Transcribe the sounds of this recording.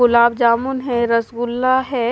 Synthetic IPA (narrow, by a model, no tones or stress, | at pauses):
ʊlaːbd͡ʒaːmʊnɦɛ̃ɾɐsɡʊlːaɦɛː